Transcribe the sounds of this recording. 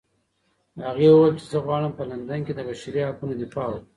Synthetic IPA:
aɣewuwejlt͡ʃezəɣwɑɽəmpəland̪anked̪əbaʃaɾihakunod̪ifɑw

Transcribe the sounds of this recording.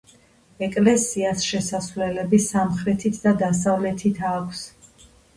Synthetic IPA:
ɛkʼlɛsiasʃɛsasvlɛlɛbisamχɾɛt̪ʰit̪ʰd̪ad̪asavlɛt̪ʰit̪ʰaːkʷʰs

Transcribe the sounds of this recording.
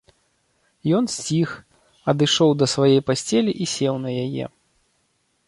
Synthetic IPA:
jɔnsʲt͡sʲix | ɐd̪ɨʂɔwd̪ɐsvajɛjpasʲt͡sʲɛlʲiʔisʲɛwnɐjajɛ̰

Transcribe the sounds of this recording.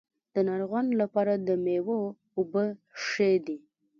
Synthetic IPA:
d̪̥ənaɾɣanlapɑɾad̪əmewo | ʊbəʂed̪i

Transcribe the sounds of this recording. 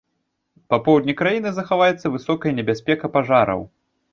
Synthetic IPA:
papɔwd̪nʲikɾajinɨzɐxavajɛt̪sːɐvɨsɔkɐjɐnʲɛbʲasʲpʲɛkɐpaʐaɾɐ̰w

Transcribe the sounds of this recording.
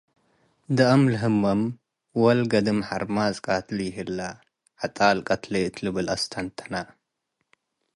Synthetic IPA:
d̪ɐʔɐmlɨɦɨmːɐm | wɐlɡɐd̪ɨmħaɾmazʼkʼat̪lɨjɪɦɨlːa | ħat̪ʼalkʼɐt̪lɐɨt̪ʰlɨβɨlʔɐst̪ʰɐnt̪ʰɐ̥na

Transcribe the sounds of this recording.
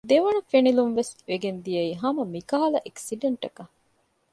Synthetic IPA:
d̪eʋɐɳɐfenilunʋesʋeɡend̪ijɐiɦɐmɐmikaːɐlɐʔeksiɖeɳʈɐkɐ

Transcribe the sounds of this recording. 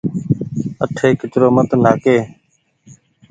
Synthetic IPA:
əʈʰeːkɪt͡ʃɾoːmət̪naːkeː

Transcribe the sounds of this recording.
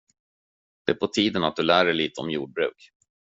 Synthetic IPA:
d̪̥ɛæɾpʰɔt̪ʰiːd̪ənat̪̚d̪ɵlæːɖɛjliːt̪əɔmjuːɖ̚bɾʉ̟ːk

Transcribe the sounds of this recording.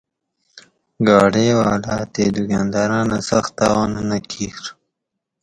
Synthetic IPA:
ɡɑɽewɑlɑt̪ed̪uɡɑnd̪ɑɾɑnasaxt̪̚ɑwɑnnakʰiɾ

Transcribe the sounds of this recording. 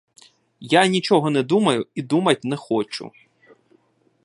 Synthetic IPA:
janʲit͡ʃɔɦɔnɛd̪umɐjʊid̪umɐt̚ʲnɛxɔt͡ʃʊ̰

